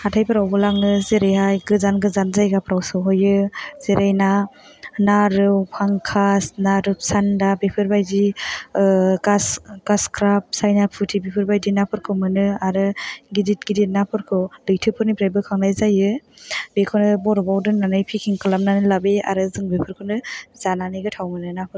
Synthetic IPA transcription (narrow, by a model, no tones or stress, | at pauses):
hatʰajpʰɯɾawbɯlaŋɯzeɾajɦajɡɯzanɡɯzanzajɡapʰɾawsɯwɦɔjɯz̥eɾajna | naɾɯwpʰaŋkʰasnaɾɯsandabepʰɯɾbajdi | ɡasɡaskʰɾap̚sajnapʰutʰibepʰɯɾbajdinapʰɯɾkʰɯwmɯnɯaɾɯɡidit̚ɡidit̚napʰɯɾkʰɯwdɯjtʰɯpʰɯɾnipɾajbɯkʰaŋnajzajɯbekʰɔnɯbɔɾɔbawdɯnanɯjpʰikʰiŋkʰɯlamnanɯlabea̰ɾɯzɯŋbepʰɯɾkʰɯnɯzananɯjɡɯtʰawmɯnɯnapʰɯɾ